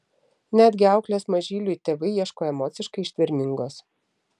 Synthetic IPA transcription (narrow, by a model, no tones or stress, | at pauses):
nʲæd̪ʲɡʲɪɑˑʊklʲoːsmɐʒʲiːlʲuːit̪ʲeːʋɐɪjiɛʃkoːɛmɔːt̪sʲɪʃkɐɪɪʃʲt̪ʲʋʲɪɾʲmʲɪŋɡoːs